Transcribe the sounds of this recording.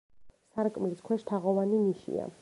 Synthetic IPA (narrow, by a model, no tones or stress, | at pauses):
saɾkʼmliskʰwɛʃt̪ʰaʁɔvaniniʃḭa̰